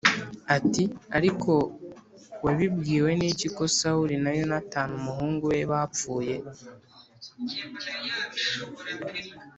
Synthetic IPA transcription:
atiaɾikʰo̞ | weβibɡiːwe̞niːciko̞sauɾinajo̞nataːnumuhuːŋɡuwe̞βap͡fuːje̞

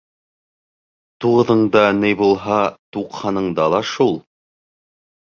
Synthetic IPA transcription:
t̪uʁɤ̆ðɤ̆ɴd̪ɑnɘjbulˠɦɑt̪uqhɑnɤ̆ɴd̪ɑlˠɑʃulˠ

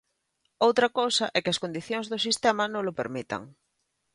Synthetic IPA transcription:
owt̪ɾɐkowsɐʔɛkɪɐskond̪iθjoŋzðʊsist̪ɛmɐnõŋlʊpeɾmit̪ɐ̰ŋ

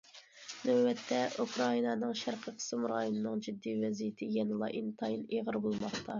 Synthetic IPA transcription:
nɛbɛt̪ʰːɛʔukʰɾɑinɑnɨŋʃæɾqʰəqʰə̥sɨmɾɑ̰jonɨnɨŋd͡ʒid̪ːijvɛzijit̪ʰɪjɛnɨlˠɑ̰ʔint̪ʰɑjineʁəɾbolˠmɑχt̪ʰɑ

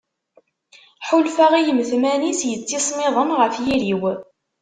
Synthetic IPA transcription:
ħulfaʁijəmθmænisjət͡sːisˤmɪðˤəmʁəfjiɾiw

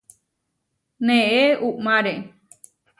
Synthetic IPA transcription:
nẽʔeuʔmãɾe

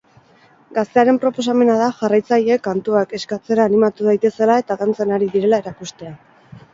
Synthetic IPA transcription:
ɡast̪e̞aɾe̞mpɾo̞po̞s̬ame̞naðaʝarajt͡saʎe̞kant̪uake̞skat͡se̞ɾaːnimat̪uðajt̪e̞se̞lae̞t̪aðant͡senaɾiðiɾe̞lae̞ɾakust̪e̞a

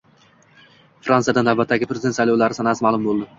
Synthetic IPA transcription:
fɾanijad̪anːawbat̪ʰːaɡʲɪpɾezɪent̪sajlɒwlaɾɪsanasɪmaːlˠʊmbolˠd̪ɪ

